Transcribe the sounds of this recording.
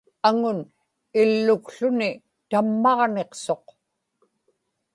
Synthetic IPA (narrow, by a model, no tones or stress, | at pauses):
aŋʊn | ilːʊkɬʊni | t̪amːɑʁne̞qso̞q